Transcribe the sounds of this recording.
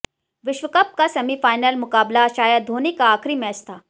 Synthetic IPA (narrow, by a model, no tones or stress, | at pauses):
ʋɪʃʋəkɐp̚kasɐmifaːɪnəlmʊkaːblaʃaːjəd̪d̪ʱoːnekaaːkʰɾimɛːt͡ʃt̪ʰaː